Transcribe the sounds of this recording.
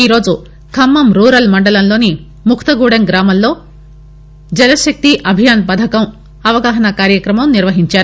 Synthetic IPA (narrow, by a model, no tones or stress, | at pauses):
iːɾo̞ːd͡ʒu | kʰɐmːɐmɾuːɾɐlmɐɳɖɐlɐmlo̞ːni | mukʰt̪ɐɡuːɽɐŋɡɾaːmɐmlo̞ː | d͡ʒɛlɐʃɐk̚t̪iʔɐbʱijaːnpɐd̪ʱɐkɐm | ɐʋɐɡaːɦɐnɐkaːɾjɐkɾɐmɐmniɾʋɐɦiɲt͡ʃaːɾu